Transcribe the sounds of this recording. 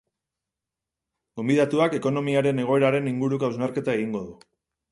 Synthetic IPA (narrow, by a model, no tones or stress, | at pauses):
ɡ̥o̞mbiðat̪uake̞ko̞no̞miaɾe̞ne̞ɣ̞o̞e̞ɾaɾe̞niŋɡuɾukawznaɾke̞t̪ae̞ɣ̞iŋɡo̞ðu